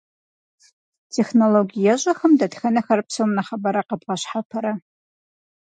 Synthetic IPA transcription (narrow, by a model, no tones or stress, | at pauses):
tʰexnoloɡʲijaʒʷʼaxəmdadxɐnɨxɐrpʰsomnaχabaɾaqabʁaʃħapʰaɾa